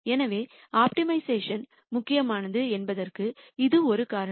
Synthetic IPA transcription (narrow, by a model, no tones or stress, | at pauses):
ɛnɐʋeː | aːp̚ʈɪmɐɪseːʂɐn | mʊkːɪjɐmaːnɐðɯɛnbɐðɐrkɯɪðɯɔɾɯkaːɾɐ